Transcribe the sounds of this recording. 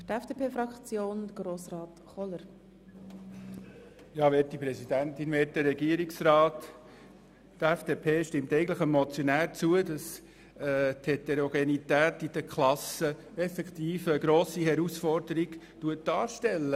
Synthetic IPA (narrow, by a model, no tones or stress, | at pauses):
tɛfd̥eːpʰeːfɾɑkt͡sjoːndəɡ̥ɾoːsrɑːt̪χɔləɾ | jɑːʋɛːtːipɾɛsidænt̪invɛːt̚dəɾːɛɡiəɾiksrɑːt̪ | tɛfd̥eːpʰeːʃtɪmt̪ɛɪɡən̩tləχəmɔt͡sjɔnæːɾt͡suəd̥ɑs | ɛt̪ʰhetɛɾoɡenit̪æːt̪id̥əkʰlɑsə | ɛfɛkt̪iːfəːɡɾoːsihɛɾusfɔɾdəɾiɡ | tuət̚d̥ɑːɾʃtɛlːə